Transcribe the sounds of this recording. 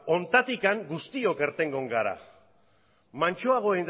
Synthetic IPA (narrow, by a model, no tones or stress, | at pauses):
o̞nt̪at̪ikaŋɡust̪io̞ke̞ɾt̪e̞ŋɡo̞ŋɡaɾa̰ | mant͡ʃoaɣ̞o̞en